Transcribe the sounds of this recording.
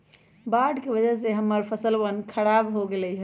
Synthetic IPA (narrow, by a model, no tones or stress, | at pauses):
baɖkebəd͡ʒəs̬eɦəmːəɾpʰəsəlʋənkʰəɾabɦoɡelɛɦ